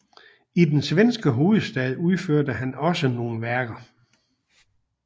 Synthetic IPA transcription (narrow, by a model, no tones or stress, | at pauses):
id̥ensʋensɡ̥əɦo̝ːð̩ˠsd̥ɛðˠuð̞ˠføɐ̰dəhænɒ̽səno̝ːn̩ʋæɐɡ̥ɐ